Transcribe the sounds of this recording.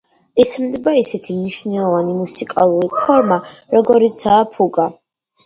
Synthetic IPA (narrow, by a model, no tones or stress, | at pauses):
ikʰmd̪baisɛt̪ʰimniʃvnɛlˠɔvanimusikʼalˠuɾipʰɔɾmaɾɔɡɔɾit̪sʰaːpʰuɡa